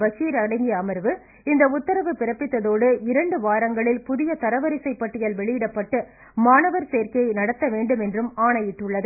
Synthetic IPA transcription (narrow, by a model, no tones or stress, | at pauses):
ʋɐsiːɾɐɽɐɪŋɡɪjɐːmɐɾʋɯ | ɪnd̪ɐʊt̪ːɐɾɐʋɯpɪɾɐpːɪt̪ːɐðoːɽɯɪɾɐɳɖɯʋaːɾɐŋɡɐɭɪlpʊðɪjɐt̪ɐɾɐʋɐɾɪsɐɪpːɐʈːɪjɐlʋɛɭɪjɪɽɐpːɐʈːɯ | maːnɐʋɐɾseːɾkɐɐɪnɐɽɐt̪ːɐʋeːɳɖɯmɛndrɯmaːɳɐjɪʈːɯɭːɐðɯ